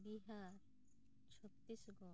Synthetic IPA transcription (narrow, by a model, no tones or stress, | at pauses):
biɦaɾ | t͡ʃʰɔt̪ːisɡɔ